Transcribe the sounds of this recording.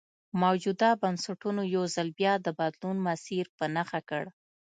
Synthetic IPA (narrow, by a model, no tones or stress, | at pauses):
mawd͡ʒud̪abansaʈunojawzalbjɑd̪əbad̪lunmasiɾpənaxakəɽ